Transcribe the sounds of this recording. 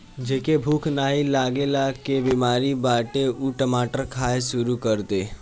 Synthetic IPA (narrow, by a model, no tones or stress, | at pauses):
d͡ʒeːkebʱuːkʰnaːɦilaːɡelakebimaːɾibaːʈeuʈəmaːʈəɾkʰaːesʊɾukəɾt̪e